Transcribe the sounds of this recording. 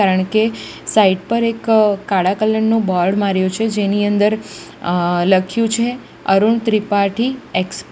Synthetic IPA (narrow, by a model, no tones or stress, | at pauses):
aɾəɳkesaiʈpəɾekːaɽakəlːəɳːobɔɾɽmaɾjot͡ʃʰed͡ʒeniənd̪əɾ | ləkʰjũt͡ʃʰe | əɾuɳt̪ɾipaʈʰieksp